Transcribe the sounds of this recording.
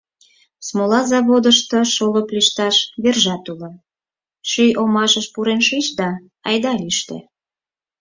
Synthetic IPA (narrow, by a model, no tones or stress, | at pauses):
smolɑzɑβod̪əʃt̪oʃolopliʃt̪ɑʃβerʒɑt̪ulo | ʃyjʔomɑʃəʃpuɾenʃit͡ɕd̪ɑ | ɑjd̪ɑliʃt̪ḛ